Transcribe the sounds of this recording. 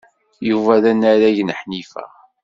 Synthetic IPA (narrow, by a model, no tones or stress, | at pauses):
juvæðænːæɾæʝnəħnifæ̰